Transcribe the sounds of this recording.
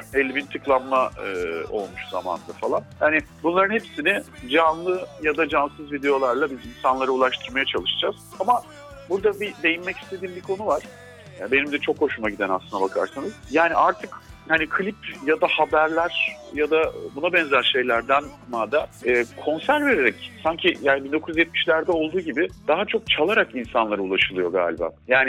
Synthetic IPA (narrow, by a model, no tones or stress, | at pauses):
elʲimint̪ʰɯklˠamːaɯo̞̰lˠmuʃza̰ma̰nɯd̪afalˠanjaːnɪ | bunlˠaɾɯnhepsinɪd͡ʒanlˠɯjad̪ad͡ʒansɯzvid̪e̞jo̞lˠaɾlˠabizinsanlˠaɾauːlˠaʃt̪ʰɯɾmajat͡ʃʰalˠɯʃɯd͡ʒaz̥ama | buɾd̪abid̪e̞jinmːɛcist̪ʰe̞d̪iːmbikʰo̞nuvaɾ̥ | be̞nimd̪ɛt͡ʃʰo̞kho̞ʃumaɟid̪ɛnasɯnd̪abakʰa̰ɾsanɯz̥jaːniʔaɾt̪ʰɯkhanikʰɯlʲipjad̪ahabæɾlʲæɾ̥jad̪abunabɛnzæɾʃe̞jlʲæɾd̪ænmaːd̪aɛːkʰo̞nsæɾve̞ɾeɾɛcsaɲcʰijaːnibind̪o̞kʰuzjɛt̪̚miʃlʲæɾd̪ɛo̞lˠd̪uːɟibɪd̪̥aɦat͡ʃʰo̞k̚t͡ʃʰalˠaɾakinsanlˠaɾaulˠaʃɯlˠɯjo̞ɡa̰ːlʲiba̰ːjaːnɪ